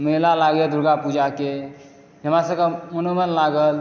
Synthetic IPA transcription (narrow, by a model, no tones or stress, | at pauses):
məlalaɡjed̪ʱuɾɡapud͡ʒake | ɦə̃masəbkamənomənlaɡəl